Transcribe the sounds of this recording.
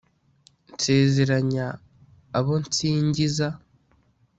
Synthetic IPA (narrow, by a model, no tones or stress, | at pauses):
nse̞ːze̞ɾaɲaː | βo̞nt͡siːɲɟiza